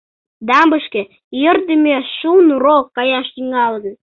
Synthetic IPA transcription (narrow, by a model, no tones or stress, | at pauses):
d̪ɑmbə̆ʃkĕ | jərt̪emeʃunrokɑjɑʃt̪iŋɑlˠd̪ə̆n